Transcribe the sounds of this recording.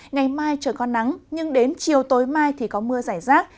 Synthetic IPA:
ŋa˨˩jmaː˧jt͡ɕəː˧˩kɔ˧na˨˦ŋɲɨ˧ŋɗe˨˦nt͡ɕi˨˩əwt̪o˨˦jmaː˧jt̪ʰi˨˩kɔ˨˦mɨ˧əzaː˧˩jzaː˦˥k̚

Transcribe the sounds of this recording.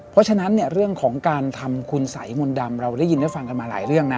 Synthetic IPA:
pʰɔ˦˥t͡ɕʰa˧na˦˥nːi˥˩əɾɯ˥˩əŋkʰɔː˩˦ŋkaː˧nt̪ʰa˧mkʰu˧nsa˩˦jmo˧nda˧mɾa˧wda˦˥˩ji˧nda˥˩fa˧ŋka˧nmaː˧la̰ː˨˩˦jɾɯ˥˩əŋna˦˥

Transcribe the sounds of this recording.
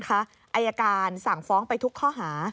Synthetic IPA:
kʰa˦˥ | ʔa˧jːaː˧kaː˧nsa˨˩ŋfɔː˦˥ŋpa˧jt̪ʰu˦˥kʰːɔː˥˩ɦaː˩˦

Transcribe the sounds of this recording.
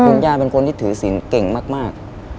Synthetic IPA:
kʰo˧njaː˥˧˩pe˧nkʰo˧nt̪iː˥˩t̪ʰɯː˩˦si˩˦nke˨˩ŋmaː˥˩k̚maː˥˩k̚

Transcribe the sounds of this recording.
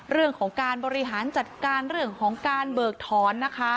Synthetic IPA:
ɾɯ˥˩əŋkʰɔː˩˦ŋkaː˧nbɔː˧ɾi˦˥ɦaː˩˦nt͡ɕa˨˩t̪̚kaː˧nɾɯ˥˩əŋkʰɔː˩˦ŋkaː˧nbɤː˨˩k̚t̪ʰɔː˩˦nːa˦˥kʰa˦˥

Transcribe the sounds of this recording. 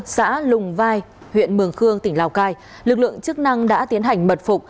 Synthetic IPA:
sa̰ː˧˥lʊ˨˩ŋ͡mvaː˧j | hwḭ˧˨ənmɨ˨˩əŋxɨ˧əŋt̪ï˧˩ŋ̟laː˧˩wkaː˧j | lɨ˨˩k̚lɨ̰˧əŋt͡ɕɨ˦˥k̚na˧ŋɗa̰ː˧˥t̪i˨˦ənɦa˨˩jŋ̟mə˨˩t̚fʊ˨˩k͡p̚

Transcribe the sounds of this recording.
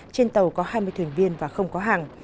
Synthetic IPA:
t͡ɕe˧nt̪ə˨˩wkɔ˨˦haː˧jmɨ˧əjt̪ʰi˨˩ənvi˧ənvaː˨˩xə˧wŋ͡mkɔ˨˦ɦaː˨˩ŋ

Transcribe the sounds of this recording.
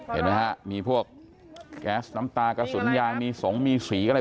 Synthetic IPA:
hḛ˨˩t̚na˦˥ha˦˥ʔmiː˧pʰu˥˩ək̚ː | ɛː˦˥sna˦˥mt̪aː˧ka˧˩su˩˦ənjaː˧ŋmiː˧sɔː˩˦ŋmiː˧siː˩˦kː

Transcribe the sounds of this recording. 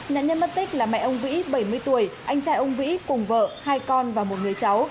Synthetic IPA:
ɲa̰ː˧˨nɲə˧nmə˦˥t̚t̪ï˦˥k̟̚laː˨˩mɛ̰˧˨ʔə˧wŋ͡mvḭ˧˥ɓə˧˩jmɨ˧əjt̪u˧˩əjʔa˧jŋ̟t͡ɕaː˧jʔə˧wŋ͡mvḭ˧˥kʊ˨˩ŋ͡mvə̰ː˧˨haː˧jkɔ˧nvaː˨˩mo˨˩t̚ŋɨ˨˩əjt͡ɕa˨˦w

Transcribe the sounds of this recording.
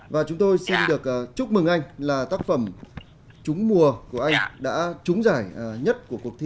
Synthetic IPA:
vaː˨˩t͡ɕʊ˨˦ŋ͡mt̪o˧jsi˧nɗɨ˨˩ək̚ːt͡ɕʊ˦˥k͡p̚mɨ˨˩ŋʔa˧jŋ̟laː˨˩t̪aː˦˥k̚fə˧˩m | t͡ɕʊ˨˦ŋ͡mmu˨˩əku˧˩əʔa˧jŋ̟ɗa̰ː˧˥t͡ɕʊ˨˦ŋ͡mzaː˧˩jɲə˦˥t̚ku˧˩əku˨˩ək̚t̪ʰ

